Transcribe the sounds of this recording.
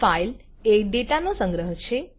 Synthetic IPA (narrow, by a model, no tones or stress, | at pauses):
fajl | eɖeʈanosəŋɡɾəɦt͡ʃʰe